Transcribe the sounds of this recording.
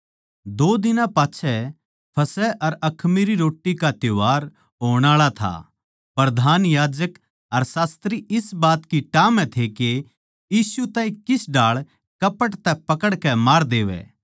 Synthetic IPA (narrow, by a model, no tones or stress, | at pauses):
d̪oːd̪ɪnãpaːt͡ʃʰɛ | pʰɐsɛʔɐɾɐkʰmiɾiɾoːʈːikat̪joaːɾ | ɦoːɽ̃aːɭat̪ʰa̰ | pɾɐd̪ʱaːnjaːd͡ʒək | ɐɾsaːst̪ɾiɪsbaːt̪kiʈaːmɛ̃t̪ʰeke | jiːsut̪ãːɦĩkɪsɖaːɭ | kɐpəʈt̪ɛpɐkəɽkɛmaːɾd̪eːʋɛ̰ː